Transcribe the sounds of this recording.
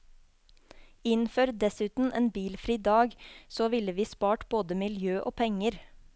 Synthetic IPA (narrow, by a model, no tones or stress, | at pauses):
ɪnfœɾd̪ɛsʉːt̪n̩ʔḛːnbiːlfɾiːd̪ɑːɡsoːʋɪləʋiːspɑːʈboːd̪əmɪljøːʔoːpʰɛŋəɾ